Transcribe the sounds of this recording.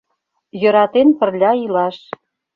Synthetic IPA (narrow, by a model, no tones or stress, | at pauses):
jɤ̆ɾɑt̪enpə̆rlʲɑilɑʃ